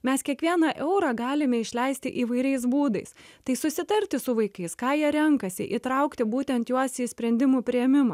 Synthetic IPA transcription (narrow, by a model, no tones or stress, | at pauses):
mʲɛskʲiɛkʋʲiɛnɑʔɛʊɾɑːɡɑːlʲɪmʲɛɪʃʲlʲɛɪsʲt̪ʲɪ̰ʔiːʋɐɪɾʲɛɪsbuːd̪ɐɪst̪ɐɪsʊsʲɪt̪ɐɾʲt̪ʲɪsʊʋɐɪkɐɪskɑːjiɛɾʲɛŋkɐsʲɪ̰ʔḭːt̪ɾɐʊkt̪ʲɪbuːt̪ʲɛnt̪juɔsiːsʲpʲɾʲɛnʲd̪ʲɪmuːpʲɾʲɪjɛmʲɪmɐ